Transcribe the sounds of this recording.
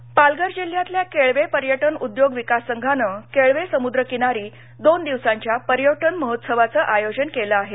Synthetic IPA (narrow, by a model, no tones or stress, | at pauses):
palɡəɾd͡ʑil̤jat̪ljakeɭʋepəɾjəʈənud̪joɡʋikasːəŋɡʱanəkeɭʋesəmud̪ɾəkinaɾiː | d̪ond̪iʋsãɲt͡ɕjapəɾjəʈənməɦot̪səʋat͡səʔajod͡ʑənkeləaɦe